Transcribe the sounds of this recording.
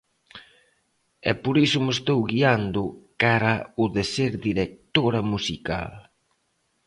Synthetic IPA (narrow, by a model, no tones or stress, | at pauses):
ɛ̰poɾisʊmʊest̪owɣiand̪ʊkaɾɐʊðeseɾðiɾek̚t̪oɾɐmusika̰l